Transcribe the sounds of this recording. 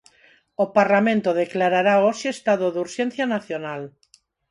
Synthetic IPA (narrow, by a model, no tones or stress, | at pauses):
opaɾlamẽnt̪oðeklaɾaɾaoʃeest̪aðoðuɾʃen̟θjanaθjonal